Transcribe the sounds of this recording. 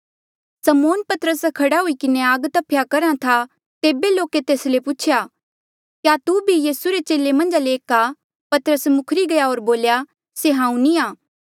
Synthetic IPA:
sɐmoːnpɐt̪əɾəskʰɐɽaɦuikɪneaːɡt̪ɐpʰjakɐɾãt̪ʰa | t̪eːbeloːket̪eːslepʊt͡ʃʰja | kjat̪ubʱijiːsuɾet͡ʃeːlemɐ̃nd͡ʒaleːka | pɐt̪əɾəsmʊkʰɾiɡɐjaoːɾboːlja | seɦãːũnĩaː

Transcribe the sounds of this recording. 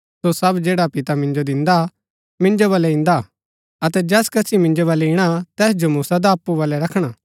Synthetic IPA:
sosɐbd͡ʒeːɽapɪt̪amɪ̃nd͡ʒod̪ɪ̃nd̪a | mɪ̃nd͡ʒoβaːlɛɪ̃nd̪a | ɐt̪ɛd͡ʒɛːskɐsʰimɪ̃nd͡ʒoβɐːlɛɪɽ̃at̪ɛːsd͡ʒomuːsad̪aːpːubaːlɛɾɐkʰɽ̃a

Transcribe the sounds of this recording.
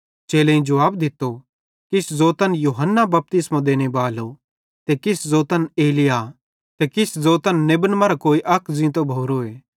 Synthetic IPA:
t͡ʃeːlẽĩd͡ʒɐʋaːbd̪ɪt̪ːo | kɪszoːt̪ənjuːɦənːabɐp̚t̪ɪsmãd̪eːñebaːlo | t̪ekɪszoːt̪əneːlɪja | t̪ekɪszoːt̪ənːebənmɐɾakoːiʔɐkʰzĩt̪obʱoːɾoeː

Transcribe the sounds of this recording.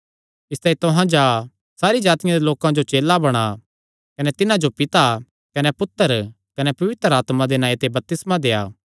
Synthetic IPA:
ɪst̪aːĩt̪ʊɦãd͡ʒaː | saːɾid͡ʒaːt̪ɪjãd̪eloːkãd͡ʒot͡ʃeːlabɐɽ̃a | kɐnɛt̪ɪnãd͡ʒopɪt̪a | kɐnɛpʊt̪ːəɾ | kɐnɛpɐʋɪt̪ɾəaːt̪mãd̪enaːit̪ebɐp̚t̪ɪsmad̪eːaː

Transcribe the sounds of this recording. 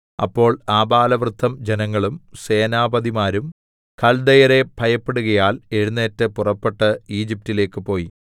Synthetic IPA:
ɐ̰pːo̞ːɭaːbaːlɐʋrɨd̪ʱːɐmd͡ʑenɐŋːɐɭumse̞ːnaːbɐðimaːɾum | kʰɐld̪ɐjɐɾe̞bʱɐjɐpːeɽuɣɐjaːle̞ɻunːe̞ːtːɨpurɐpːe̞ʈːɨiːd͡ʑip̚tile̞ːkːɨpo̞ːji

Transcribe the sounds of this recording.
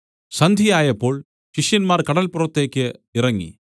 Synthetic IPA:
sɐnd̪ʱijaːjɐpːo̞ːɭ | ɕiʂjɐnmaːrkɐɽɐlpurɐt̪ːe̞ːkʲːɨirɐŋːḭ

